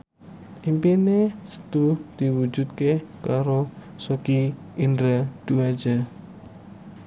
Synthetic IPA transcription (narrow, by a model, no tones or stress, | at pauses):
ʔimpinesə̥d̪̥ud̪̥iwu̥d͡ʒut̪̚kekaɾo | soki | indɾad̪̥uḁd͡ʒ̥a